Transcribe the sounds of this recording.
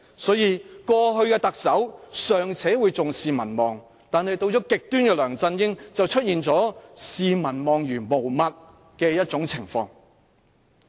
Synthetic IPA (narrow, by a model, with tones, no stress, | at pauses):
sɔː˨˥jiː˨˧kɔː˧ɦɵ˧ɥkɛː˧t̪ɐ˨k̚sɐ˨˥wsœː˨ŋt͡sʰɛː˨˥wuː˨˧jt͡sʊ˨ŋsiː˨mɐ̰˨˩nmɔː˨ŋ | t̪aː˨nhɐ˨jt̪o˧wt͡sɔː˨˥kɪ˨k̚t̪yː˥nkɛː˧lœː˨˩ŋt͡sɐ˧njɪ˥ŋt͡sɐ˨wt͡ʃʰɵ˥t̚jiː˨nt͡sɔː˨˥siː˨mɐ˨˩nmɔː˨ŋjyː˨˩nmo˨˩wmɐ˨t̚ | kɛː˧jɐ˥t̚t͡sʊ˨˥ŋt͡sʰɪ˨˩ŋfɔː˧ŋ